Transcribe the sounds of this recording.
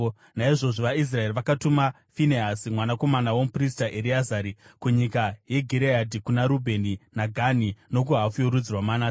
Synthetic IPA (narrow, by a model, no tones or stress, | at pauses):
naiʐo̞ʐoʋais̬raeriʋakatuma | fineɦasimwanako̞manawomupristaʔeɾiazaɾikuɲikaje̞ɡʱiɾeadikunaɾubʱe̞ninaɡʱanino̞k̬uɦafujoɾud͡zirwamana